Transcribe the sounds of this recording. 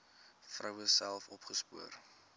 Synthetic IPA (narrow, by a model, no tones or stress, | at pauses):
frəwəsælˠfɔpχəspuər